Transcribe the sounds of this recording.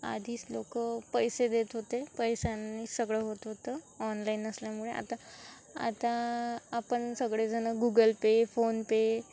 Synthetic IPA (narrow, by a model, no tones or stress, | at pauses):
a̰d̪ʱiːslokəpəjsed̪et̪ɦot̪epəjsanːisəɡɭeɦot̪ɦot̪ə | ɔnlainəsljamuɭeʔa̰t̪a | a̰t̪aapəɳsəɡɭed͡zʱənaɡuɡəlpefonpe